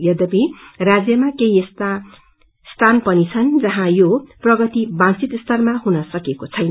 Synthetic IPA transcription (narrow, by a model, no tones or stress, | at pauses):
jʌd̪ʌbirad͡zjʌmakeiest̪a | st̪ʰanpʌnit͡sʰʌnd͡zʌɦãjoprʌɡʌt̪ibãnt͡sit̪st̪ʰʌrmaɦunʌsʌkekot͡sʰʌjn